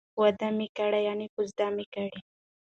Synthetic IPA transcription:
wad̪amikaɽajɑnikuzd̪amikaɽi

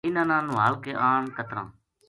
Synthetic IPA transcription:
ɪnãːnãːnʊɦaːlkeːʔaːɳkət̪ɾã̰ː

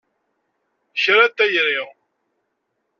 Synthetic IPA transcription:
çɾæt̪ːæjɾiʁ

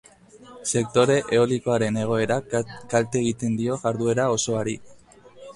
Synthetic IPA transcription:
se̞k̚t̪o̞ɾe̞ʔeoliko̞aɾe̞ne̞ɣ̞o̞e̞ɾakalt̪eɣ̞it̪e̞nd̪io̞ʝaɾðue̞ɾao̞so̞aɾi

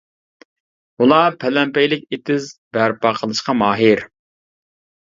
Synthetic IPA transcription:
ulˠɑpʰɛlɛmpɛjlɪkʲet̪ɪzbæɾpɑqʰəlˠɨʃqɑmɑːɦɪɾ

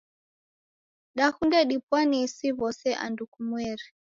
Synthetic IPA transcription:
ɗahundɛɗipwanisiβɔsɛʔa̰ndukumwɛɾi

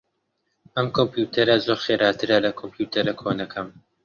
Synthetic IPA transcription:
ʔɐmkʰompjuːt̪ʰɐɾɐzoɾxeːɾaːt̪ʰɨɾɐlɐkʰompʰjuːt̪ʰɐɾɐkʰonɐkʰɐm

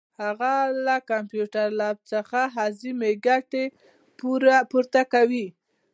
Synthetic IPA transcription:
haɣalakampjuʈaɾlɑb̚t͡səxaɦɑzimeɡaʈe | puɾapuɾt̪akawi

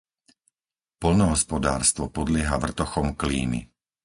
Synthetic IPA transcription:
pɔlnɔɦɔspɔd̪a̰ːɾst̪ʋɔpɔd̪lɪɛɦaʋr̩t̪ɔxɔmklḭːmḭ

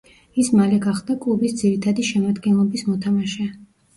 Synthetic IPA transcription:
ismalɛɡaχd̪akʼlˠubisd̪ziɾit̪ʰad̪iʃɛmad̪ɡɛnlˠɔbismɔt̪ʰamaʃɛa

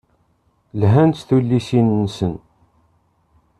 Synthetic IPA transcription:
lɦænt̪θulːisinːsən

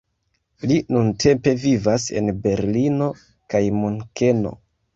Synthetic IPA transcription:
linuntʰe̞mpe̞vivase̞̰nbe̞ɾlino̞ | kajmoŋke̞no̞̰

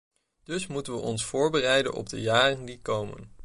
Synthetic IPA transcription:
d̥ɵsmutənʋəʔɔnsfʊːɹbərɛjdənʔɔ̰b̚də̰jaːrəndikowmə̰n

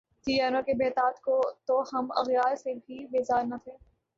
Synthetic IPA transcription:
t̪ijaːnõkebeːt̪aːt̪kot̪ohɐmɐ̰ɣjaːɾsebʱibeːzaːɾnɐt̪ʰeː

